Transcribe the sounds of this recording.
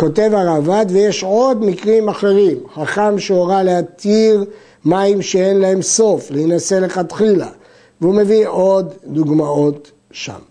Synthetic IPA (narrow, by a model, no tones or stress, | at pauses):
ko̞t̪e̞vaʁavad̪veje̞ʃʕo̞d̪mikʁimaχe̞ʁimχaχamʃeoʁaleat̪iʁ | maimʃeenlae̞mso̞fleinase̞le̞χat̪χila̰ | veume̞viʔo̞d̪ːuɡmao̞t̪ | ʃa̰m